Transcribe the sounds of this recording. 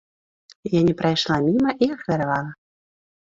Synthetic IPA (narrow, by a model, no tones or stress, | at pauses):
janʲɛpɾajʂlˠamʲimɐʔiɐxɾʲɛɾavalˠɐ